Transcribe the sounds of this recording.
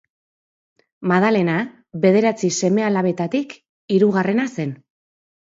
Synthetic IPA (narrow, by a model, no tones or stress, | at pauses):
maðale̞na | βe̞ð̞e̞ɾat͡sise̞me̞alaβe̞t̪at̪ik | iɾuɣare̞nase̞n